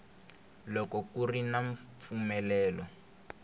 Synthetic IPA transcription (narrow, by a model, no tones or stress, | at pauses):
lɔkɔkurinaɱfumɛlɛːlɔ